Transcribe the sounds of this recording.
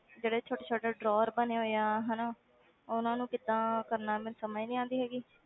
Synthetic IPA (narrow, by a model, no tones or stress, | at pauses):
d͡ʒeːɽeːt͡ʃʰoːʈeːt͡ʃʰoːʈeːɖɾɔːɾbəneːɦoːjaːɦɛnaː | ʊnãːnũːkɪd̪ãːkəɾnaːmɛːnsəmaːiːnĩːãːnd̪iːɦɛːɡiː